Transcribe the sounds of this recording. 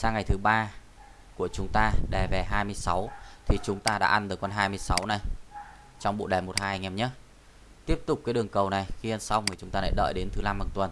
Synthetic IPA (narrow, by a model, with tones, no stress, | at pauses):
saː˧ŋːa˨˩jt̪ʰɨ˨˦ɓaː˧ | ku˧˩ət͡ɕʊ˨˦ŋ͡mt̪aː˧ɗɛ˨˩vɛ˨˩ɦaː˧jmɨ˧əjsa˨˦wt̪ʰi˨˩t͡ɕʊ˨˦ŋ͡mt̪aː˧ɗa̰ː˧˥ʔa˧nɗɨ˨˩kɔ˧nɦaː˧jmɨ˧əjsa˨˦wna˨˩j | t͡ɕɔ˧wŋ͡mɓo̰˧˨ɗɛː˨˩mo˨˩t̚haː˧jŋɛ˨˩mɲə˦ | t̪i˦˥əp̚t̪ʊ˨˩k͡pkaː˨˦jɗɨ˨˩əŋkə˨˩wna˨˩jxi˧ə˧nsa˧wŋ͡mŋɨ˨˩t͡ɕʊ˨˦ŋ͡mt̪aː˧ɛ̰˧˥ɗə̰ː˧˨jɗe˨˦nt̪ʰɨ˨˦la˧mɓaː˨˩nt̪wə˨˩n